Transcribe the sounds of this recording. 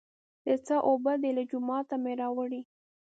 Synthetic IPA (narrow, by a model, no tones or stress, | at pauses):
d̪̥ət͡səʔobəd̪elad͡ʒʊmɑt̪ameɾɑwəɽi